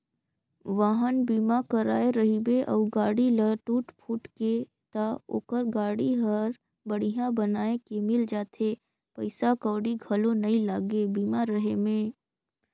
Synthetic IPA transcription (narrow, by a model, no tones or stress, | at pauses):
ʋaːɦənbiːmakəɾaːeɾəɦibeʔɔ̰ːɡaːɽiləʈuːʈpʰuːʈke | t̪ao̰ːkəɾɡaːɽiɦəɾ | bəɽ̤iɦãbənaːekemɪld͡ʒaːt̪ʰe | pəɪsakɔːɽiɡʱəlonɐĩlaːɡebiːmaɾəɦemẽː